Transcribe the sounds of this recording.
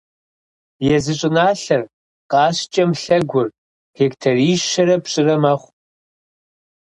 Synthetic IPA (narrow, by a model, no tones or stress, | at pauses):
jɛzɨɕʼɪnaːɬɐr | qʼɑːɕt͡ʃʼɐmɬɐɡʷʊr | ɡ̥ektʰɐriːʃʃɐɾɐpɕʼɪrɐmɐχʷ